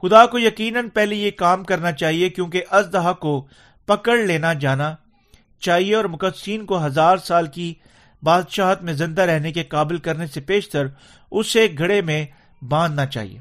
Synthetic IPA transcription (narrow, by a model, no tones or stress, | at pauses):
xʊd̪akojɐkiːnənpɛɦlejekaːmkɐɾnat͡ʃaːɦiekjõːkeʔɐzd̪ɐɦako | pɐkəɽleːnad͡ʒaːna | t͡ʃaːɦieɔːɾmʊkəd̪siːnkoɦɐzaːɾsaːlki | baːd̪ʃaːɦət̪mẽzɪ̃nd̪aɾɛɦnekekaːbɪlkɐɾnesepeːʃt̪əɾ | ʊseɡʱɐɽemẽ | bãːnd̪nat͡ʃa̰ːɦḭḛː